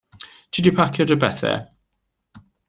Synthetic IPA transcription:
tʰidipʰakʰjɔdəbɛθɛ̰

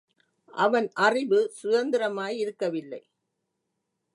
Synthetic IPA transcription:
ʔɐʋɐnʔɐrɪʋɯsʊðɐnd̪ɪɾɐmaːjɪɾɯkːɐʋɪlːɐ̰ɪ

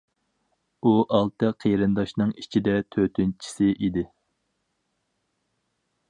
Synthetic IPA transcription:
uʔɑlˠt̪ɨqʰeɾɨnd̪ɑʃnɨŋit͡ʃʰid̪ɛt̪ʰøt̪ʰynt͡ʃʰi̥sɪʔid̪ɪ

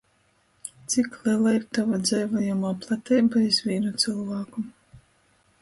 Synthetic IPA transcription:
t̪siklˠɛlˠaiɾt̪avad̪zɛjvajamaːplˠat̪ʲɛːbaizvʲiːnut̪sɨlˠvaːku

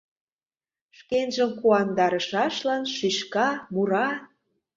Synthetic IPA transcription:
ʃkenʒəmkuɑnd̪ɑɾə̆ʃɑʃlɑnʃyʃkɑmuɾɑ

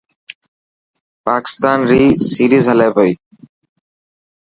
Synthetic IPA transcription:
paki̥st̪anɾisiɾizɦalajpoj

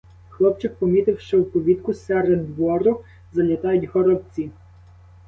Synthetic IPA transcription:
xlˠɔpt͡ʃɪk̚pɔmʲit̪ɪwʃt͡ʃɔwpɔʋʲit̪kʊsɛɾed̪ʋɔɾʊ | zɐlʲɐt̪ɑjʊdʲɦɔɾɔb̚t͡sʲi

